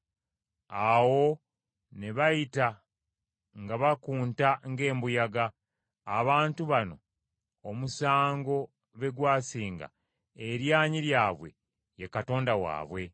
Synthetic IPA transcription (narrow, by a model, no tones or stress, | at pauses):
awo̞ | ne̞βajita | ŋɡaβakuːntaŋɡe̞ːmbujaɡaː | βaːntuβano̞ | omusaːŋɡo̞ | βe̞ɡwaːsiːŋɡa̰ | eɾjaːɲiɾjaːβwe̞̰ | jekato̞ːndawa̰ːβwe̞